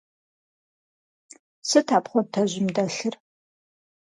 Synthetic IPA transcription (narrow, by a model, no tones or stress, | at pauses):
sɨtʰaːpχʷɔtʰɐʑʷɪmdɐɬɨr